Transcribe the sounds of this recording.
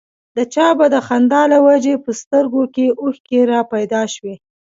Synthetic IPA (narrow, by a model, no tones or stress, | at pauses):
d̪ət͡ʃɑbad̪əxand̪ɑlawad͡ʒepəst̪əɾɡokeʔuxkeɾɑpajd̪ɑʃwe